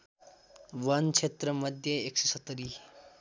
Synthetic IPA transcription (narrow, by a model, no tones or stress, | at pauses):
ʋʌnt͡ʃʰet̪ɾʌmʌd̪ʱjʌeksʌsʌt̪ːəɾi